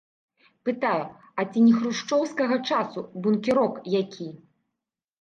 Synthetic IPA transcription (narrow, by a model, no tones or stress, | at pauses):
pɨt̪aju | ɐt͡sʲinʲixɾuʂt͡ʂɔwskɐɣɐt͡ʂasubunkʲiɾɔkjakʲʰi